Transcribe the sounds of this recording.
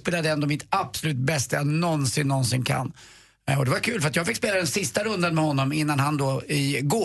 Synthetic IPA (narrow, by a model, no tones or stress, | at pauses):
peːlad̪əɛnd̪ɔmɪt̪absɔlʉ̟ːt̪̚bɛst̪ajanɔnsɪnːɔnsɪnkʰa̰nː | ɔd̪ɛvaɾkʰʉ̟ːlfəɾat̪jɑːɡfɪkspeːlad̪ɛnsɪst̪aɾɵnd̪anmɛhɔnːɔmɪnːanhand̪ɔɪɡoː